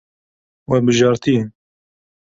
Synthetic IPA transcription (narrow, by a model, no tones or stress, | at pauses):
wɛbɨʒɑːɾt̪ijn